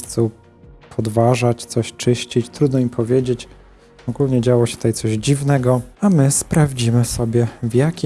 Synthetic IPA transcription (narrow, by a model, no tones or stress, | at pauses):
t̪su | pʰɔd̪vaʐat͡ɕt̪sɔɕt͡ʂɘɕt͡ɕit͡ɕt̪ɾud̪nɔimpʰɔvʲjed͡ʑet͡ɕ | ɔɡulɲɛd͡ʑawɔɕɛt̪ut̪ajt̪sɔʑd͡ʑivnɛɡɔamɘspɾavd͡ʑimɘsɔbʲjɛvʲjakʲi